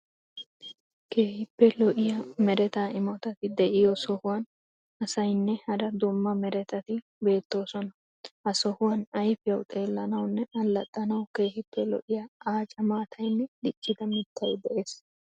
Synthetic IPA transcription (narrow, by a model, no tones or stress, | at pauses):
ke̞ːhɪpːɛlɔʔɪjɐmɛɾɛt̪aːɪmɔt̪ɐt̪ɪd̪ɛʔɪjɔsɔhʊwɐn | ʔɐsɐjnːɛhɐɾɐd̪ʊmːɐmɛɾɛt̪ɐt̪ɪ | be̞ːt̪ːo̞ːsɔnɐ | hɐsɔhʊwɐnɐjfɪjɐwt̪ʼe̞ːlːɐnɐwnːɛɐlːɐt̪ʼːɐnɐwke̞ːhɪpːɛlɔ̰ʔɪjɐaːt͡ʃʼɐmaːt̪ʰɐjnːɛd̪ɪt͡ʃʼːɪd̪ɐmɪt̪ʰːɐjd̪ɛʔe̞ːs